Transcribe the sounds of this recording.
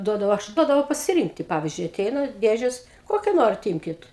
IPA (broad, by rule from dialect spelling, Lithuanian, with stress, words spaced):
ˈduɔdɐʋɐʊ ˈɐʃ ˈduɔdɐʋɐʊ pɐsʲɪˈrʲiːŋktʲɪ ˈpɑːʋʲɪzʲd͡ʒʲʊɪ ɐˈtʲɛɪnɐ ˈdʲeːʒʲɛs ˈkoːkʲɛ ˈnoːrʲɪt ˈiːmʲkʲɪt